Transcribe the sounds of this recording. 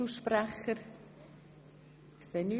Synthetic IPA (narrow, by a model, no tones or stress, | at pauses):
uʃpɾæχəɾ | kseny